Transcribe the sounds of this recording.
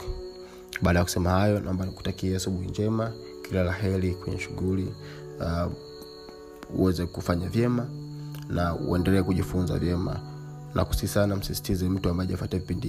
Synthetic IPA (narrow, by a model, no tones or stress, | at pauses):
ɓaːɗajakusɛmahajɔnʔaɔmbaniku̥takiaasuɓuhiɲd͡ʒɛma | kilalaɦɛlikwɛɲɛ̰ʃuɣuli | ṵwɛzɛkufaɲavjɛmanaṵʔɛ̰ndɛlɛɛkuʄifunza̰vjɛma̰ | nʔa̰ku̥sisanam̩sisi̥tizɛm̩tuambaɛafatavipindi